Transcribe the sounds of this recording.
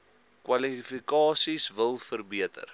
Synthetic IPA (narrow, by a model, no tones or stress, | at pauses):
kwɐlifikɑːsisvəlˠfərbiətə̰r